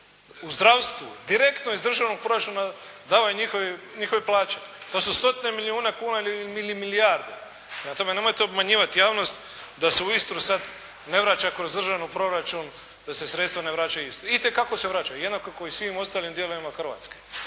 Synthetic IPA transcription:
uzd̪ɾaʋst̪ʋṵd̪iɾe̞kt̪noizd̪r̩ʒaʋnoɡ̚pɾoɾat͡ʃuːna | d̪aːʋajuɲixoʋeɲixoʋeplˠaːt͡ʃet̪osust̪o̞t̪ine̞miliuːnekuːnailimilimiliaɾd̪e | pemat̪ome̞ne̞mo̞jt̪eobmaɲiːʋat̪ijaːʋno̞st̪ | d̪aseuist̪ɾusad̪ | ne̞ʋɾat͡ʃakɾo̞zd̪r̩ʒaʋnopɾo̞ɾat͡ʃun | d̪̥ase̞sɾet̪st̪ʋane̞ʋɾaːt͡ʃauist̪ɾuit̪e̞kakose̞ʋɾaːt͡ʃaujed̪nakokoisʋimo̞st̪aːlimd̪je̞loʋimaxr̩ʋa̰t̪ske̥

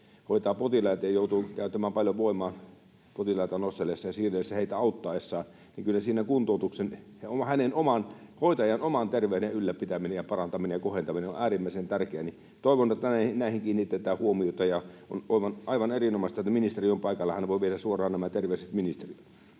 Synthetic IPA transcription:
hoˑit̪ɑːpot̪ilɑˑjɑt̪ɑjɑjoˑut̪ukæˑyt̪ːˑæmæːmpɑljoʋoˑimˑɑːn | pot̪ilɑˑit̪ɑnost̪elːˑesːɑjɑsiːresːæheˑit̪æɑˑut̪ːɑːˑesːɑː | niŋkylːæsiːnækunt̪oˑut̪uksen | ohænenomɑnhoˑit̪ɑjɑnomɑnt̪erʋeˑydeʔylːæpit̪æminejjɑpɑrɑnt̪ɑminejjɑkohent̪ɑmineo̰ʔæːrimːæˑisent̪ærkeæni | t̪oˑiʋont̪ːænæinæˑihiŋkiːnːit̪ːet̪æːhuomiot̪ɑjɑo̰noˑiʋɑnʔɑˑiʋɑnerinomɑst̪ɑet̪ːæminist̪eriompɑˑikɑlːɑhɑnːeʋoˑiʋieɾæssuorˑɑːnnæmæt̪erʋeˑyset̪minist̪erit̪

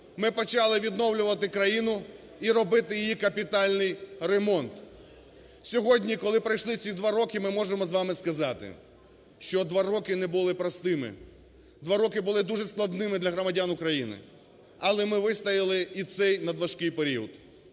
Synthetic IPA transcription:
mɪpɔt͡ʃɑlˠɪʋʲid̪nɔwlʲʊʋɐt̪ɪkɾɐjinʊ | iɾɔbɪt̪ɪjɪjikɐpʲit̪ɑlʲnɪjremɔnt̪ | sʲɔɦɔdʲnʲikɔlˠɪpɾɐjʃlˠɪt͡sʲid̪ʋɑɾɔkɪmɪmɔʒemɔzʋɑmɪskɐzɑt̪ɪ̰ | ʃt͡ʃɔd̪ʋɑɾɔkɪnɛbʊlˠɪpɾɐst̪ɪmɪ̰ | d̪ʋɑɾɔkɪbʊlˠɪd̪uʒɛsklˠɐd̪nɪmɪd̪lʲɐɦɾɔmɐdʲanʊkɾɐjinɪ̰ | ɐlˠɛmɪʋɪst̪ɐjɪlˠɪisɛjnɐd̪ʋɐʃkɪjpeɾʲiɔd̪

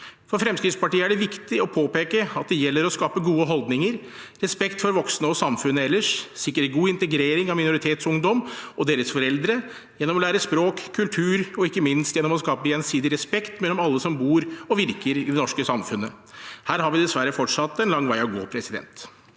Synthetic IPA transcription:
fɔɾfɾɛmskɾɪt̪spɑʈiːəæɖɛʋɪkt̪ɪɔpʰoːpeːkəɑt̪̚d̪ɛjɛlːəɾɔskɑːpəɡuːəɦɔlˠd̪nɪŋəɾɾɛspɛkt̪fɔɾʋɔksnəɔsɑmfʉnəɛlːəʂsɪkːəɾɛɡuːɪnt̪əɡɾeːɾɪŋɑmɪnʊɾɪt̪ʰeːt̪sʊŋd̪ɔmʔɔd̪eːɾəsfɔɾɛld̪ɾə | jɛnːɔmɔlæːɾəspɾoːkkʰːʉlt̪ʰʉːɾɔɪkːəmɪnst̪jɛnːɔmɔskɑːpəjɛnsiːd̪ɪɾɛspɛkt̪mɛlɔmɑlːəsɔmbuːɾɔʋɪɾkəɾɪd̪ɛnɔʂkəsɑmfʉnːə | hæːɾɦɑɾʋɪd̪ɛsʋæɾːəfɔʈʂɑt̪ːɛnlɑŋːʋæɪɑʋɡo̰ːpʰɾɛsɪd̪ɛ̰nt̪

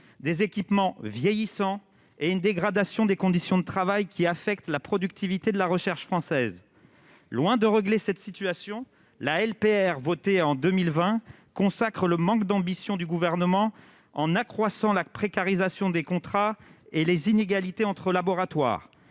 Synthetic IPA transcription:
d̪ezekʲipmɑ̃vjejisɑ̃ | eynd̪eɡʁad̪asjɔ̃d̪ekɔ̃d̪isjɔ̃d̪ət̪χavajkʲiafɛkt̪lapχɔd̪yk̚t̪ivit̪ed̪əlaʁəʃɛʁʃfχɑ̃sɛz | lwɛ̃d̪əʁəɡlesɛt̪sit̪yasjɔ̃ | laɛlpeɛʁvɔt̪eɑ̃d̪ømilvɛ̃ | kɔ̃sakχələmɑ̃kd̪ɑ̃bisjɔ̃d̪yɡuvɛʁnəmɑ̃ | ɑ̃nakχwasɑ̃lapχekaʁizasjɔ̃d̪ekɔ̃t̪χaelezineɡalit̪eɑ̃t̪χəlabɔʁat̪wa̰ːʁ

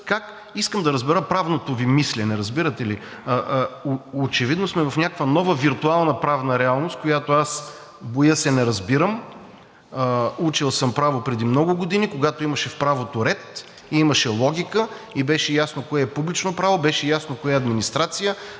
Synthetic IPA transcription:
kak | iskəmd̪ɐɾəzbɛɾəpɾavnot̪ovimislɛnɛɾɐzbiɾət̪ɛli | oot͡ʃɛvid̪nosmɛvɐfnʲakkvənɔvəviɾt̪ualˠnəpɾavnəɾɛalˠnost̪̚kojat̪oas | bojəsɛnɛɾɐzbiɾəm | ut͡ʃilˠsəmpɾavopɾɛd̪imnɔɡʊɡod̪inikoɡat̪oimɐʃɛfpɾavot̪oɾɛt̪ | iimɐʃɛlˠɔɡʲikə | ibɛʃɛjasnokoɛːpublit͡ʃnopɾavobɛʃɛjasnokojaɐd̪minist̪ɾat̪sijə

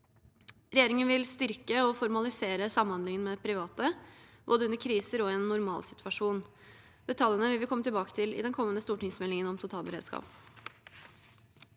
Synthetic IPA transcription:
ɾɛjeːɾɪŋənʋɪlst̪ʏɾkəɔfɔɾmɑlɪseːɾəsɑməhɑnd̪lɪŋənmɛpʰɾɪʋɑːt̪əb̥o̰ːd̪əʉnəɾkʰɾiːsəɾɔɛːnːʊɾmɑ̰ːlsɪt̪ʰʉɑʂuːn | d̪̥ɛt̪ʰɑljənəʋɪlʋɪkɔmːət̪ʰɪlbɑːkə̥t̪ʰɪlɪ̰d̪ɛnkʰɔmːənəst̪uːʈɪŋsmɛlɪŋənɔmt̪ʰʊt̪ʰɑːlbəɾeːd̪skɑ̰ːp

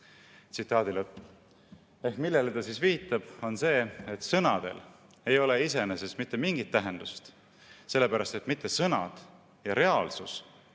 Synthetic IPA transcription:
t̪sit̪ːˑɑːd̪̥iləp | e̞hkmilːe̞let̪ɑsiːsviːt̪ːˑɑb̥o̞nse̞ːet̪sɤnɑd̪̥e̞̰l | e̞jo̞le̞ise̞nese̞smit̪ːe̞miŋɡit̪ːæɦe̞nd̪̥ust̪ | se̞lːe̞pæɾɑst̪e̞t̪ːˑmit̪ːe̞sɤnɑ̰d̪̥ | jɑɾe̞ɑːlsus

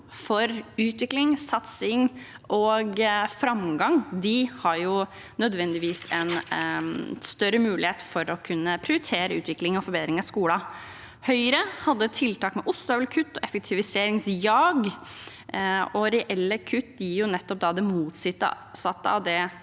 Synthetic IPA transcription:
fɔɾʉːt̪ʋɪklɪŋsɑt̪sɪŋ | ʔɔɡfɾɑmɡɑŋd̪ɪhɑɾjʊ | nœd̪ʋɛnd̪ɪʋiːsɛn | st̪œɾəmʉːlɪheːt̪fɔɾɔkʰʉnːəpʰɾɪʊɾɪt̪ʰeːɾəʉːt̪ʋɪklɪŋɔfɔɾbeːd̪ɾɪŋɑskuːlɑ | hœʏɾəhɑd̪ːət̪ʰɪlt̪ʰɑːkmɛʔʊst̪øːʋlkʰʉt̪ːɔɛfək̚t̪ʰɪʋɪseːɾɪŋsjɑːɡ | ɔɾɛʔɛlːəkʰʉt̪ːd̪jiɾjʊnɛt̪ːɔp̚d̪ɑd̪ɛmuːt̪sɪt̪ːə̰ | sɑt̪ːəɑ̰ʋd̪ɛ

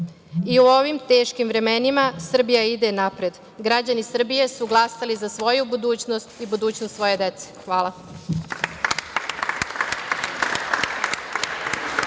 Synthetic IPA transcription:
iuo̞ʋimt̪e̞ːʃkimʋɾe̞me̞nimasr̩bijaid̪enapɾed̪ | ɡɾad͡ʑanisr̩bije̞suɡlˠasalizasʋo̞jubud̪uːt͡ɕno̞st̪ibud̪uːt͡ɕnost̪sʋo̞je̞d̪et̪se̥xʋaːlˠa

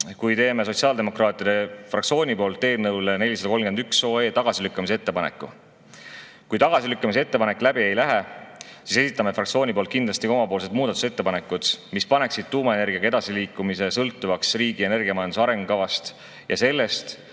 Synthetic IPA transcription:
kujt̪e̞ːme̞s̬o̞tsiɑːld̪e̞mo̞krɑːt̪ˑjiɑd̪e̞frɑk̚tsio̞ːnʲipo̞ːlt̪ːe̞ːlnɤwlene̞lʲisɑd̪ɑko̞lmɡe̞nd̪ykso̞ːe̞ːt̪ɑɡ̥ɑsilykːɑmisee̞t̪ːe̞pɑne̞̰kːˑṵ | kujt̪ɑɡ̥ɑsilykːɑmisee̞t̪ːe̞pɑne̞kːˑlæbie̞jlæɦesise̞sit̪ːˑɑme̞frʔɑkt̪sio̞ːnʲipo̞lt̪kind̪lɑst̪iko̞mɑpoːlse̞d̪̥̚muːd̪̥ɑt̪u̥set̪ːe̞pɑne̞kːˑud̪̥mispɑne̞ksid̪̥̚t̪uːmɑe̞ne̞rɡ̥iɑɡɑe̞d̪ɑsiliːkːˑumise̞sɤlt̪ːˑuvɑksriːɡ̥ie̞ne̞rɡiɑmɑjɑnusɑɾe̞ŋɡu̥ɑvɑst̪ | jɑ̰se̞lːe̞st̪

